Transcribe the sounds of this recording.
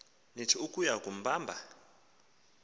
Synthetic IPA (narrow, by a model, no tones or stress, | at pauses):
netʰiukujakum̩baːmbʱa